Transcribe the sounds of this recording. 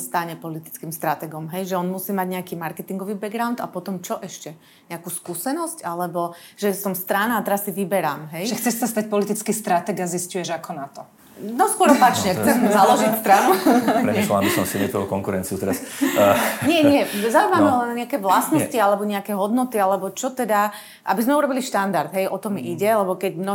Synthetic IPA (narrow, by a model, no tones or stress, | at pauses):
st̪aɲɛpɔlit̪i̥t͡skiːmst̪ɾat̪ɛɡɔmɦɛjʒɛɔnmusiːmaɟɲɛakiːmaɾkɛt̪iŋɡɔʋiːbɛɡɾaʊnd̪a̰pɔt̪ɔmt͡ʃɔʔɛʃcɛ | ɲɛakuːskuːsɛnɔscalɛbɔʒ̥ɛsɔmst̪ɾanaːt̪ɛɾasːiʋibɛɾaːmɦɛjʒɛxt͡sɛʃsast̪ac̚pɔlit̪it͡skist̪ɾat̪ɛɡaziscujɛʒakɔnat̪ɔ | nɔskʊɔɾɔpat͡ʃɲɛxt͡sɛmzalɔʒist̪ɾanupɾɛɛʃlɔlambisɔmsimɛt̪ɾɔlkɔŋkuɾɛnt͡siut̪ɛɾas | ɲɪɛɲɪɛzaʊuimamɛɦɔlɛnɲɛakɛːʋlasnɔscialɛbɔɲɛakɛɦɔd̪nɔt̪ialɛbɔt͡ʃɔt̪ɛd̪a | ʔabizmɛuɾɔbiliʃt̪and̪aɾd̪ɦɛjʔɔt̪ɔmiʔiɟɛlɛbɔkɛɟmnɔ